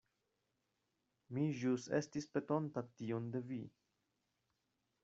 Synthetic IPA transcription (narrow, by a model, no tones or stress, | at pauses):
miʒuse̞stispe̞to̞ntationde̞vi